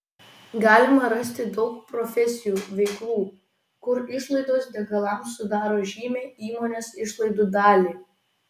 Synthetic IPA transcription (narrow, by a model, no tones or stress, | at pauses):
ɡɑːlʲɪmɐɾɐsʲt̪ʲɪd̪ɒʊk̚pɾɔfʲɛsʲɪjuːʋʲɛɪklˠuː | kʊɾɪʃlˠɐɪd̪oːsd̪ʲɛɡɐlˠɐˑmsʊd̪ɑːɾoːʒʲiːmʲeːiːmoːnʲeːsɪʃlˠɐɪd̪uːd̪ɑːlʲiː